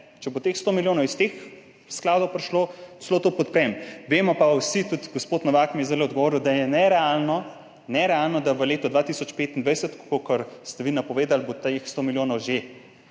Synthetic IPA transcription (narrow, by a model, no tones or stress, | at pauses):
t͡ʃɛbot̪exst̪oːmiljoːnɔwist̪ex | sklaːd̪ɔwpɾɛʃloslot̪opɔt̪pɾɛmʋeːmɔpawsit̪ut̪ɡospoːt̪nɔʋakmijɛzd̪elɛɔd̪ɡɔʋoːɾiwd̪ajɛnɛɾɛalnɔ | nɛɾɛalnɔd̪aʋəleːt̪ɔd̪ʋaːt̪isɔt͡ʃpeːt̪ind̪ʋajsət̪ko̥kokəɾst̪ɛʋinapɔʋeːd̪albot̪exst̪omiljoːnɔwʒe